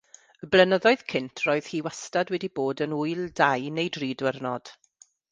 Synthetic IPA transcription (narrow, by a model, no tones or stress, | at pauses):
əblˠənəðɔɨð̥kʰɪntʰroːɨð̥hiːwastadwɛdiboːdənʊjlˠdajnejdriːdwərnɔd̥